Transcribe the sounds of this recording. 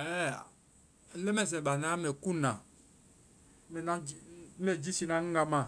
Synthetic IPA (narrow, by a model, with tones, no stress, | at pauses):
ɛ˦˨˦ | lɛ˦mɛ˦˨s̬ɛ˨ɓa˨na˦mɛ˨ku˦nã˨˦ | mɛ˨na˦˨˦mɛ˨d͡ʒi˦si˦nã˨˦ŋ̩˦ɡa˦mã˦˨